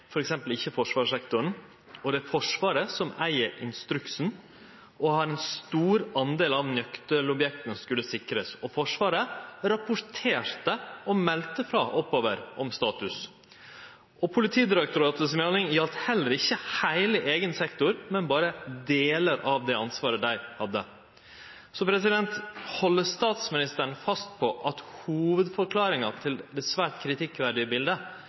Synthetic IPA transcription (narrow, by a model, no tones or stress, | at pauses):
fɔɾɛksɛmpəlɪçːəfɔʂʋɑːʂɛkt̪ʊɳ̩ | ɔd̪ɛæɾfɔʂʋɑːɾəsɔmæ̰ɪəɾʔɪ̰nst̪ɾʉksn̩ | ɔhɑɾɛnst̪uːɾɑnd̪eːlɑʋnœkt̪əlɔbjɛk̚t̪ənskʉlːəsɪkɾəsɔfɔʂʋɑːɾəɾɑpʊɾt̪ʰeːɾt̪əɔmɛlt̪əfɾɑːʔɔpːoːʋəɾʔɔmst̪ɑːt̪ʉs | ʔɔpʰʊlɪt̪ʰiːd̪ɪɾɛkt̪ʊɾɑːt̪əsmeːnɪŋjɑlt̪hɛlːəɾɪçːəhæɪlɪʔeːɡənsɛkt̪ʊɾmɛnbɑːɾəd̪eːləɾʔɑʋd̪ɛɑnsʋɑːɾəd̪æɪhɑd̪ːə | sɔpʰɾɛs̬ɪd̪ɛnt̪hɔlːəst̪ɑːt̪smɪnɪst̪əɳ̩fɑst̪̚pʰɔʔɑt̪huːʋəd̪fɔɾkʰlɑːɾɪŋɑt̪ʰɪld̪ɛsʋæːʈkʰɾɪt̪ʰɪkːʋæɾɖɪəbɪld̪ə